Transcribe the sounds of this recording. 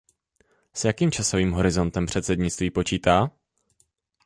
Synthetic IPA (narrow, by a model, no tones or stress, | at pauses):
sjakiːmt͡ʃaso̞viːmɦo̞ɾɪzo̞nt̪ɛmpr̝̥ɛt̪sɛd̪ɲɪt͡st̪viːpo̞t͡ʃiːt̪aː